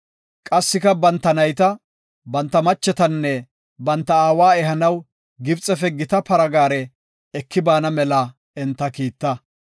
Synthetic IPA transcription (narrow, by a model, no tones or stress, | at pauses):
kʼɐsːɪkɐbɐnt̪ːɐnɐjt̪ɐ | bɐnt̪ːɐmɐt͡ʃːɛt̪ɐnːɛ | bɐnt̪ːɐaːwaːɛɦɐnɐw | ɡɪbt͡sʼɛfɛɡɪt̪ɐpɐɾɐɡaːɾɛ | ɛkːɪbaːnɐmɛlɐ | ɛnt̪ːɐkiːt̪ːɐ